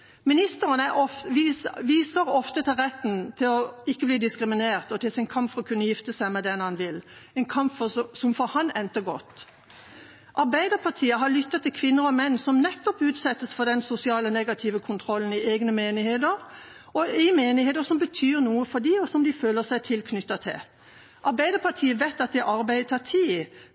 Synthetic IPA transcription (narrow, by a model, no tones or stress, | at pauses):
mɪnɪst̪əʁənæɔfʋiʋiːsəɾɔft̪ət̪ʰɪlʁɛt̪ːnt̪ʰɪlɔɪkːəbliːd̪ɪskɾɪmɪneːʁt̪ɔt̪ɪlsɪnkʰɑmpfɔʁɔkʰʉnːəjɪft̪əsæɪmɛd̪ɛnhɑnʋɪlɛɪnkʰɑmpfɔsɔmfɔhɑnɛnt̪əɡɔt̪ː | ʔɑɾbæɪd̪əpʰɑʁt̪ʰiːəɦɑlʏt̪ːɑt̪ʰːɪlkʰʋɪnːəɾɔmɛnːsɔmnɛt̪ːɔpʉːt̪sɛt̪ːəsfɔd̪ɛnsʊsɪɑːlɔnɛːɡɑt̪ʰiːʋəkʰʊnt̪ʰɾɔlːn̩ɪeːɡnəmeːnɪheːd̪əɾ | ɔɪmeːnɪheːd̪əsɔmbət̪ʰyːɾnuːəfɔd̪iɔsɔmd̪ɪføːləsæɪt̪ʰɪlkʰnʏt̪ːɑt̪ʰɪ̰l | ʔɑɾbæɪd̪əpʰɑt̪ʰiːəʋæɪt̪ːɑt̪̚d̪ɛʔɑɾbæɪt̪ʰɑt̪ʰiː